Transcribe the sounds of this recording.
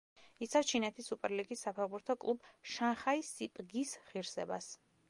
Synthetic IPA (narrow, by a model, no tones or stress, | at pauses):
it̪sʰafst͡ʃʰinɛt̪ʰisːupʼɛɾliɡisːapʰɛʁbuɾt̪ʰɔkʼlˠubʃanχaisːipʼɡisʁiɾsɛba̰s